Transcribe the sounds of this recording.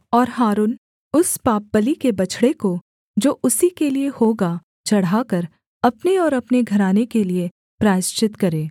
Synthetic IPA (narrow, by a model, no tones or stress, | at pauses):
ɔːɾɦaːɾuːn | ʊspaːp̚ːəlikebɐt͡ʃʰɽeko | d͡ʒoːʔʊsikeliehoːɡa | t͡ʃɐɽ̤akɐɾ | ɐpneɔːɾɐpneɡʱɐɾaːnekelie | pɾaːɪʃt͡ʃɪt̪kɐɾeː